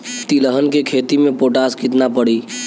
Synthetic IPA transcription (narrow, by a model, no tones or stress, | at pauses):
t̪iləɦənkekʰeːt̪imẽpoːʈaːskɪt̪napəɽiː